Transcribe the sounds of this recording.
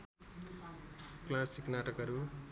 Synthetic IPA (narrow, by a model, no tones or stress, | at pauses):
klasiknaʈʌkʌɾu